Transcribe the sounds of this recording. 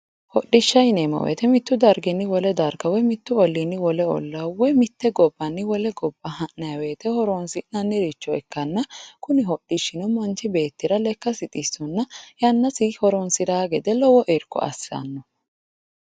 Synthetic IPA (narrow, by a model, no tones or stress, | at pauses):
hɔɗɪʃːɐjneːmɐ̰wḛːt̪ɛmɪt̪ːʊd̪ɐɾɡɪnːɪwɔlɛd̪ɐɾɡɐwɔjmɪt̪ːʊɔlːinːɪwɔlɛɔ̰lːɐwɔjmɪt̪ːɛɡɔbːɐnːɪwɔlɛɡɔbːɐhɐʔnɐjɐweːt̪ɛhɔɾɔnsɪnɐnːɪɾɪt͡ʃːɔɛkːɐnːɐkʊnɪɦɔɗːɪʃɪnɔmɔnt͡ʃːɪbe̞ːt̪ːɪɾɐlɛkːɐsɪt̪ʼisːʊnːɐjɐnːɐsɪhɔɾɔnsɪd̪aːɡɛd̪ɛlɔwɔʔɛɾkːɔ̰ɐ̰sːɐ̰nːɔ